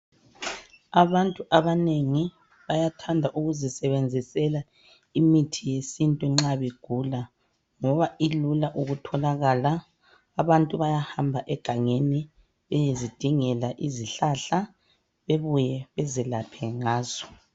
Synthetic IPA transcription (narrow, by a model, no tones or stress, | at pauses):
aβantʼuʔaβaneŋi | βajatʰandʱaʔuɣuzisɛβend͡zʱisɛla | imitʰijesintʼuŋ͡ǁaβeɡ̥ʱula | ŋɔβailulaʔuɣutʰɔlaɣalaː | βantʼuβajahambʱaʔɛɡ̥ʱaŋeni | βɛjezid̥ʱiŋɛlaʔiziɬaɬa | βeβujɛβɛzɛlapʰɛŋaːz̥ɔ